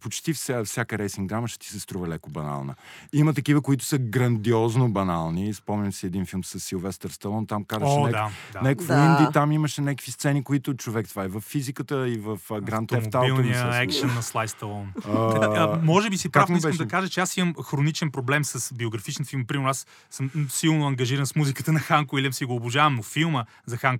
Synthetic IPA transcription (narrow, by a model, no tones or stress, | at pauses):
pot͡ʃt̪ifsfsʲjakəɾɛjsiŋɡɡ̪ɾaməʃɛ̥t̪i̥sɛst̪ɾuvɐlɛkobɐna̰lˠnə̰imət̪ɐkivəkoit̪ʊ̥səɡɾɐnd̪iɔznobɐnalˠnispɔmnʲəmsiɛd̪infilˠmsɐsːilˠvɛst̪əɾst̪ɐlˠɔnt̪amkazʃɛnɛd̪aanɛkkvind̪it̪amiməʃɛnɛkəkvist̪sɛnikoit̪ʊt͡ʃovɛkt̪vaɛvəfːizikət̪əivɐfɡɾant̪ɛmoabilˠniəɛkʃɐnːɐslˠajst̪ɐlˠɔnaamɔʒɛbisipɾavoisɛkmd̪ɐkaʒət͡ʃɛasiməmxɾonit͡ʃɛnpɾoblɛmsɐsbioɡɾɐfit͡ʃnfilˠmpɾimɛɾnʊasː | əmmsilˠnoɐŋɡɐʒiɾənsmuzikət̪ənɐxaŋkʊilʲiəmsiɡoːbʊʒavɐmnofilˠmə | zɐxaŋk